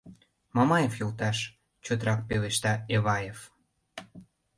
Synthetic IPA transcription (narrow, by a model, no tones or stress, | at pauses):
mɑmɑjefjolt̪ɑʃ | t͡ɕøt̪ɾɑk̚peleʃt̪ɑeβɑjef